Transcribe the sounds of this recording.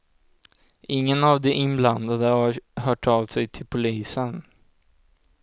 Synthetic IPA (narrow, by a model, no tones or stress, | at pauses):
ɪŋːənavd̪ɛʔɪnbland̪ad̪əhaɾɦœːʈʰavsɛjt̪ʰɪlpʰʊliːsən